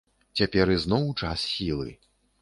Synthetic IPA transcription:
t͡sʲapʲɛɾɨznɔwt͡ʂassʲilˠɨ̰

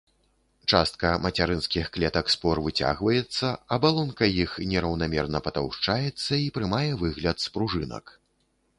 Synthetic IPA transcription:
t͡ʂast̪̚kɐmɐt͡sʲaɾɨnskʲixklʲɛt̪ɐkspɔrvɨt͡sʲa̰ɣvɐjɛt̪sːɐɐbalˠɔnkɐjixnʲɛɾɐwnamʲɛrnɐpɐt̪a̰wʂt͡ʂajɛt̪sːɐipɾɨmajɛvɨɣlʲɐt̪spɾuʐɨnɐ̰k

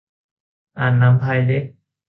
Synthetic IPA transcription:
anːambʱajle

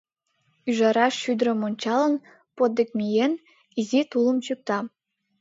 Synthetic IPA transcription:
yʒɑɾɑʃːyd̪ɾə̆monʲt͡ɕɑlə̆n | pot̪̚d̪ek̚mʲijen | izit̪ulˠə̆mt͡ɕyk̚t̪ɑ

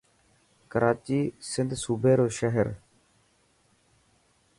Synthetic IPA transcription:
kəɾʔaːt͡ʃiːsɪnd̪suːbʱeːɾoːʃəɦəɾ

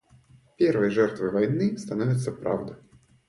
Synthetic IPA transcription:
pʲɛrvɐjʐɛrt̪vɨvajnɨst̪anɔvʲɪt̪sːɐpɾa̰wd̪ɐj

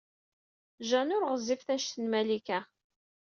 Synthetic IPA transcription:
ʒænʊɾʁəzːifθæʃt̪ənmælikæ

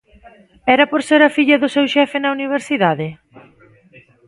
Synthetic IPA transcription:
ɛɾɐpoɾseɾɐfiʎɐðʊsewʃɛfɪnɐuniβ̞eɾsiðaðɪ

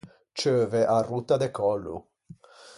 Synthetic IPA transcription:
t͡ʃøːvɛʔarut̪ːad̪ɛkɔlːṵ

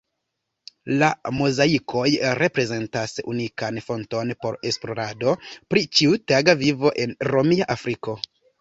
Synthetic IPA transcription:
lamozaikʰo̞jɾe̞pɾe̞ze̞ntasṵnikanfo̞nto̞npo̞ɾe̞splo̞ɾado̞pɾit͡ʃiutaɡavivo̞ʔe̞nɾo̞miaʔafɾiko̞

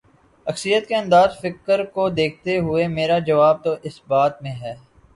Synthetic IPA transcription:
ɐksɾijət̪keɐ̃nd̪aːzfɪkəɾkod̪eːk̚ʰt̪eɦʊemeːɾad͡ʒɐʋaːb̚t̪oʔɪsbaːt̪mẽɦɛː

